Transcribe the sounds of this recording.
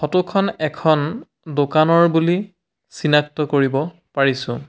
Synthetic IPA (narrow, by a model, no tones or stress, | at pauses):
xɔtukʰɔnɛkʰɔn | dokanɔɹbuli | sinak̚tɔkoɹibɔ | paɹisʊ̰̃